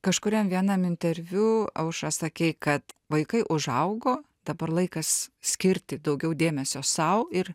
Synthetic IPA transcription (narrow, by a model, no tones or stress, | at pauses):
kɐʃkʊɾʲɛmʋʲiɛnɐmɪnʲt̪ʲɛɾʲʋʲuːɐʊʃɐsɐkʲɛɪkɐt̪ʋɐɪkɐɪʔʊʒɐʊɡoː | d̪̥ɐbɐrlˠɐɪkɐssʲkʲɪɾʲt̪ʲɪd̪ɐʊɡʲɛʊd̪ʲeːmʲɛsʲoːsɐʊɪr